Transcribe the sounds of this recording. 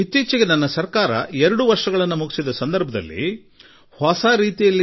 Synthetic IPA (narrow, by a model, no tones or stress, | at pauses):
it̪ːiːt͡ʃiɡenɐnːɐsɐɾkaːɾɐ̰ɛɾɐɽuʋɐɾʂɐɡɐɭɐnːumuɡisid̪ɐsɐnd̪ɐɾbʱɐd̪ɐ̰lːḭ | haːsaːɾiːt̪ijɐlːi